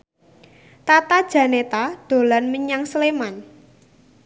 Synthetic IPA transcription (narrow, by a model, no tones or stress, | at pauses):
t̪at̪ad̥ʒ̥ä̤net̪ad̥o̤lanməɲaŋsəleman